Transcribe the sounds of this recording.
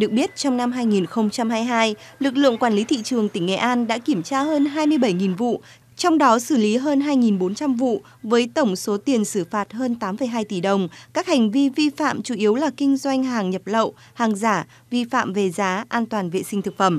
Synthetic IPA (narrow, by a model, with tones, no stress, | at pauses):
ɗɨ˨˩ək̚ɓi˦˥ət̚t͡ɕɔ˧wŋ͡mna˧mɦaː˧jŋi˨˩nxə˧wŋ͡mt͡ɕa˧mhaː˧jɦaː˧j | lɨ˨˩k̚lɨ̰˧˨əŋkwaː˧˩nli˨˦t̪ʰḭ˧˨t͡ɕɨ˨˩əŋt̪ï˧˩ŋ̟ːɛ̰˧˨˩ʔaː˧nɗa̰ː˧˥ki˧˩əmt͡ɕaː˧ɦəː˧nɦaː˧jmɨ˧əjɓə˧˩jŋi˨˩nvṵ˧˨ | t͡ɕɔ˧wŋ͡mɗɔ˨˦sɨ˧˩li˨˦ɦəː˧nɦaː˧jŋi˨˩nɓo˨˦nt͡ɕa˧mvṵ˧˨ | vəː˨˦jt̪ə˧˩wŋ͡mso˨˦t̪i˨˩ənsɨ˧˩faː˨˩t̚ɦəː˧nt̪aː˨˦mfə˨˧˩jɦaː˧jt̪i˧˩ɗə˨˩wŋ͡mkaː˦˥k̚ha˨˩ŋ̟vi˧vi˧fa̰ː˧˨mt͡ɕu˧˩ʔi˨˦əwlaː˨˩kï˧ŋ̟zwa˧jŋ̟ɦaː˨˩ŋɲə˨˩p̚lə̰˧˨w | haː˨˩ŋzaː˧˩ | vi˧fa̰ː˧˨mve˨˩zaː˨˦ʔaː˧nt̪waː˨˩nvḛ˧˨sï˧ŋ̟t̪ʰɨ˨˩k̚fə˧˩m